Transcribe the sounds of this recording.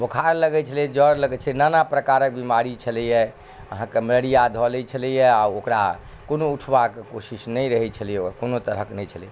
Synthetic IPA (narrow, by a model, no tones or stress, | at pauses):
bokʰaɾləɡɛt͡ʃʰəlɛd͡ʒəɾləɡɛt͡ʃʰəlnanapɾəkaɾək̚bimaɾit͡ʃʰəlijɛ | əɦãkemələɽijad̪ʱɔlɛt͡ʃʰəlijɛaokɾa̰ | konouʈʰbakekosisnɛjɾəɦɛt͡ʃʰəlijɛokakonot̪əɾəknɛjt͡ʃʰəliɛ